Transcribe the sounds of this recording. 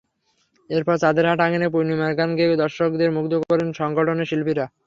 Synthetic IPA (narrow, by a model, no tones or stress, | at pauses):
eɾpɔɾt͡ɕad̪eɾɦaʈaŋenep̬ojnimaɾɡanɡeod̪ɔɾʃokd̪eɾmukd̪okoɾenʃɔŋɡoʈʰoneʃilpiɾa